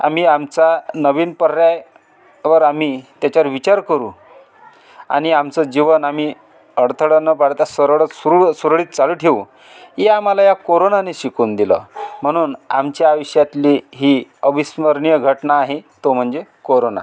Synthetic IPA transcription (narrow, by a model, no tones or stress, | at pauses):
a̰m̤iːamt͡sanəʋiːnpəɾɾjaj | ʋəɾam̤iːt̪jat͡ɕaʋɾʋit͡ɕaɾkəɾuː | a̰ɽ̃iamt͡səd͡ʑiʋənam̤iː | əɽt̪ʰəɽənəpaɽt̪asəɾɭəsuɾusuɾɭiːt̪̚t͡saluːʈʰeu | ɦeamalajakoɾonaneɕikuːnd̪ilə̰m̤əɽ̃uːnamt͡ɕjaːʋəɕjat̪liːɦiːəbisməɾɳijəɡʱəʈnaːɦet̪om̤əɳd͡zekoɾona̰